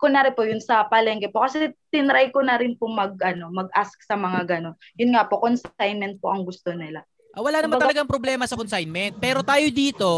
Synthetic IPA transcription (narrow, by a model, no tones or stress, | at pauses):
konɐɾɪnpojʊnsɐpɐlɛŋɡɛpokɐsɛt̪ɪnɾajkonɐɾɪnpomɐɡ̚ʔɐno̞mɐɡ̚ʔask̚sɐmɐŋaɡɐno̞n | jʊnŋapo̞konsajnmɛnt̪̚po̞̰ʔɐŋɡʊst̪o̞nɪla | ʔawɐlaːnɐmabɐɡ̪t̪lɐɡaŋpɾoblɛːmɐsɐkonsajnmɛnt̪̚pɛːɾo̞t̪aːjod̪iːt̪o̞